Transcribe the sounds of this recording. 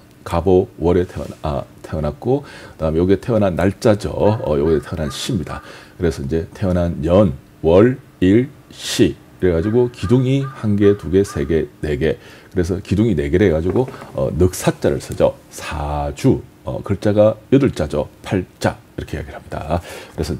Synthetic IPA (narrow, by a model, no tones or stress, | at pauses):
kabowʌɾetʰtʰe̞ʌnak̚k͈ʰokɯdaɯmejʌɡietʰeʌnɦanːaɭt͡ɕ͈ad͡ʑʌ̰ʌjʌɡietʰeʌnɦanɕ͈ʰimɲida̰kɯɾe̞sʰʌind͡ʑe̞tʰe̞ʌnɦanjʌn | wʌɭ | iɭɕ͈ʰiː | ɾeɡad͡ʑiɡokiduŋihanɡe̞tuɡe̞sʰe̞ɡe̞ne̞ɡe̞kɯɾe̞sʰʌkiduŋine̞ɡeɾe̞ɡad͡ʑiɡoʌ̰nɯk̚s͈ʰat͡ɕ͈aɾɯ̰ɭs͈ʰɯd͡ʑʌ̰sʰad͡ʑu | ʌ̰kɯɭt͡ɕ͈aɡajɯdɯɭt͡ɕ͈ad͡ʑʌ̰pʰaɭt͡ɕ͈a̰ | iɾʌkʰe̞jaɡiɾɭɦhamɲida̰kɯɾe̞sʰʌ